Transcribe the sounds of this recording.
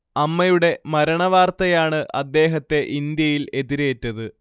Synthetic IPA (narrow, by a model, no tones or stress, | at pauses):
ɐmːɐjuɽe̞mɐɾɐɳɐʋaːrt̪ɐjaːɳɨʔɐd̪ːe̞ːɦɐt̪ːe̞ʔind̪jɐjile̞ðiɾeːtːɐðɨ